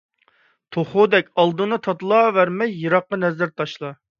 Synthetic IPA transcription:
t̪ʰoχod̪ɛkʲɑlˠd̪ɨnɨt̪ʰɑt̪lˠɑːvæɾmɛjːɨɾɑqːɑnɛzæɾt̪ʰɑʃlˠɑ

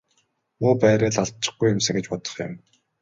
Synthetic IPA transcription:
muːpæːɾʲeːɮaɮt̪̚t͡ɕɪ̥̆χɡujːʊmsɘ̆ŋɡet͡ɕpɔt̪ɞ̥̆χjʊ̰̆m

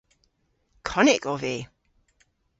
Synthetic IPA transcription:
kʰɔnɪkɔve

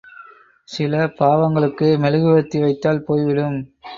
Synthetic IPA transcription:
sɪlɐpaːʋɐŋɡɐɭɯkːɯmɛlɯɣɯʋɐt̪ːiʋɐɪt̪ːaːlpoːjʋɪɽɯm

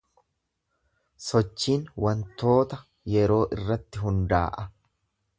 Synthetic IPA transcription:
sɔt͡ʃːiːnwɐnt̪o̞ːt̪ɐ | jɛɾo̞ːʔɪrːɐt̪ːɪɦʊnd̪a̰ːʔɐ

